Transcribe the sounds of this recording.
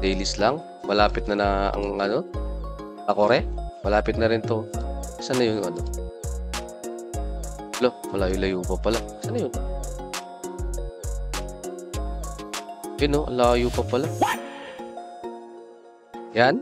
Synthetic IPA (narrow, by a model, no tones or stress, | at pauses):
d̪ejlɪslaŋ | mɐlaːpɪt̪̚nɐnaɐ̰ŋʔɐno | k̪ɐkoɾɛmɐlaːpɪt̪nɐɾɪnt̪o̞sanɐjʊnŋɐno | lomɐlajʊlɐjuːpɐpɐlasanɐjʊn | jʊnoʔlajuːpɐpɐla | jan